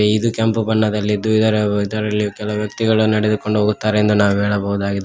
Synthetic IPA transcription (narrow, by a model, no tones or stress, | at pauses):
eid̪ukɐmpubɐnːɐd̪ɐlːid̪ːuid̪ɐɾeid̪ɐɾɐlːikɛlɐɐʋjɐkt̪iɡɐɭunɐɽed̪uko̞ɳɖuɦoːɡut̪ːaːɾeend̪unaːʋuɦɛːɭɐbɐɦud̪aːɡid̪